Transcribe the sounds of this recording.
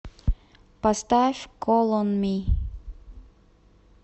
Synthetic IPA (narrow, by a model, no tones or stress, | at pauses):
past̪afʲkolˠɔnmʲi